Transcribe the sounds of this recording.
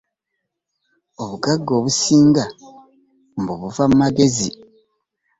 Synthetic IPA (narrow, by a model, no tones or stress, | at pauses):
oβuɡaɡːo̞ːβusiːŋɡa | mboβuvamumaɡe̞zi